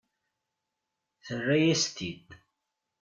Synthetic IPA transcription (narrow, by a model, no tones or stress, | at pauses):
θərːajæst̪id̪